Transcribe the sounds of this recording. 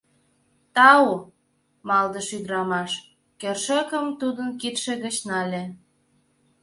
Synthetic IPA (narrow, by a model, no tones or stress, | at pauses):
t̪ɑu | mɑld̪əʃyd̪ɾɑmɑʃ | kerʃə̆kəmt̪ud̪ənkit̪ʃĕɣət͡ɕnɑlʲe